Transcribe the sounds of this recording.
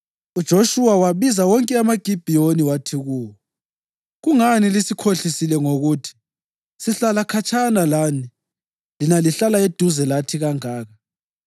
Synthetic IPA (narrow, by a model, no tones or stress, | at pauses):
ud̥ʒ̥ʱoʃuwawaβizawɔŋkʼɛamaɡ̥ʱib̥ʱijoniwatʰiɣuːwɔ | ɣuŋanilisikʰoɬisilɛŋoɣutʰi̥ | siɬalakʰat͡ʃʰʼanalani | linaliɬalaed̥ʱuzɛlatʰiɣaŋaːɣa